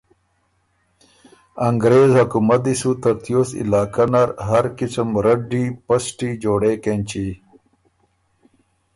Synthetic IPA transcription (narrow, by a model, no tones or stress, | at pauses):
ɐŋɡɾeːzhɐkumɐd̪isut̪ɐɾt̪ijoːsḭlaːkɐnɐɾɦɐɾkisəmɾɐɖipɐsʈid͡ʑoːɽeːkenʲt͡ɕi